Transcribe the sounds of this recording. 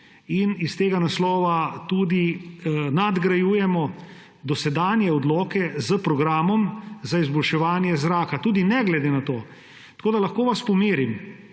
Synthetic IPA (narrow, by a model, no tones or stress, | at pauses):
inist̪eːɡanaslɔːʋat̪uːd̪inad̪ɡɾajuːjɛmɔ | d̪ɔsɛd̪aːnjɛɔd̪lɔːkɛzəpɾɔɡɾaːmɔmzaizbɔlʃɛʋaːnjɛzɾaːkat̪uːd̪inɛɡlɛd̪eːnat̪oː | t̪ɐkoːd̪alaxkoːʋaspɔmeːɾim